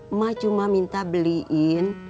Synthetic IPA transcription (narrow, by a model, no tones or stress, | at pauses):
mat͡ʃumamint̪abəliʔin